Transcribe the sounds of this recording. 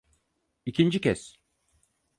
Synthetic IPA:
icʰind͡ʒicʰɛs

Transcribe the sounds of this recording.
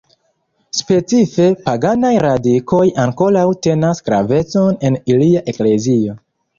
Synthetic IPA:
spe̞t͡sife̞paɡanajɾadikʰo̞jaŋko̞lawte̞nasɡ̥ɾa̰ve̞t͡so̞ne̞niliaʔe̞kle̞zio̞

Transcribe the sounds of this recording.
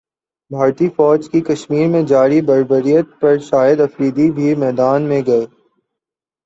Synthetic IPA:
bʱaːɾt̪ifɔːd͡ʒkikɐʃmiːɾmẽd͡ʒaːɾibɐɾbəɾijət̪̚pɐɾʃaːjəd̪ɐfɾiːd̪ibʱimɛːd̪aːnmẽɡɐeː

